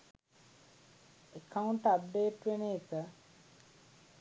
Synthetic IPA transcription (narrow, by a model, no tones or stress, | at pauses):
ekʰɐuɳʈɐp̚ɖeːʈʋeneːt̪ə